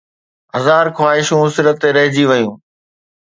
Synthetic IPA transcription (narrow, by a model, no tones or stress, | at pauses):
ɦɐzaːɾkwaːɦɪʃũsɪɾət̪ːeɾɐɦɪd͡ʑiʋəjũː